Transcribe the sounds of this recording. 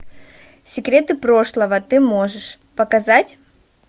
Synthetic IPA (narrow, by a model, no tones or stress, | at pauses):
sʲɪkɾʲe̞t̪ɨpɾo̞ʂlˠəvət̪ɨmo̞ʐɨʂ | pəkɐzatʲ